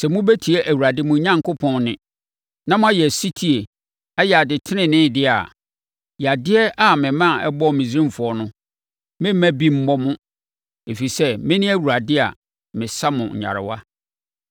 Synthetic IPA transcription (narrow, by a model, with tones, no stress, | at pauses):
sɛ˨mʊ̃˦bæ˦tʰi˨e˦ʔæ˨wu˨ɾa˨dɪ˦mʊ̃˨˦ɲã˦ŋkʰo˦pʰɔ̃˨nnɪ̃˨ | nã˦mʊ̃˦a˦jɛ˨si˦tʰi˨e˨ | ɛ˦jɛ˨a˨dɪ˨tʰɪ˦nɪ̃˦˨nɪ̃˦˨dɪ˦a̰˨ | jɛ˨a˨dɪ˦ɛ˦ʔa˨mɪ̃˨mã˦˨ɛ˦bɔ˦˨mĩ˨zɾĩ˦m˨fʊ˨ɔ˦nʊ̃˦ | mɪ̃˦mæ̃˦bi˦m̩˦mɔ˦mʊ̃˦ | e˨fi˨sɛ˦mɪ̃˦nɪ̃˦æ˦wu˨ɾa˨dɪ˦a̰˨ | mɪ̃˨sa˦mʊ̰̃˨ɲ̩̰˨ɲa̰˨ɾɪ̰˨wa̰˦